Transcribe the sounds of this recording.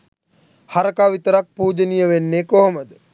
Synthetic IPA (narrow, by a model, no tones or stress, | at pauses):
haɾɐkaʋit̪əɾak̚puːd͡ʒənijəʋenːekoɦoməd̪ə